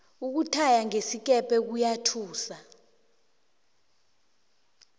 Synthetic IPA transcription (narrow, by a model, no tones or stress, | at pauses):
uk̬utʰajaŋesik̬ɛpʰɛk̬ujatʰuːsa